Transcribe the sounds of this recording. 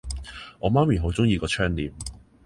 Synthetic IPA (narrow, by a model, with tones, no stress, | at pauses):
ŋɔː˨˧maː˥mi˨˩ɦo˨˧wt͡sʊ˥ŋjiː˧kɔː˧t͡ʃʰœː˥ŋliː˨˩m